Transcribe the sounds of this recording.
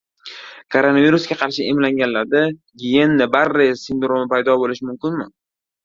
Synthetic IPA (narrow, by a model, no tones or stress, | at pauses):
kʰoɾo̞naviɾusɡʲaqʰɑɾʃɪʔemlaŋɡʲanlaɾd̪a | ɡʲijenːɪbaɾːɪsɪnd̪ɾomɪpajd̪ɒbolɪʃɪmʊmkʲɪnmɪ